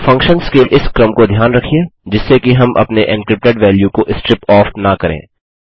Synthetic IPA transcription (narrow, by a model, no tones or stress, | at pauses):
fɐ̃ŋkʃənskelʔɪskɾəmkod̪ʱjaːnɾɐkʰied͡ʒɪsːekiɦɐmʔɐ̰pneʔɪ̃nkɾɪp̚ʈeɖʋɛːljukoʔɪsʈɾɪpɔːfnakɐɾḛ̃ː